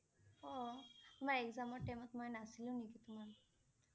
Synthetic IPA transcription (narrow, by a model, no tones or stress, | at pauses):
ɔt̪umaɾekzamɔɹʈejmɔt̪mɔjnasiliũnikit̪uman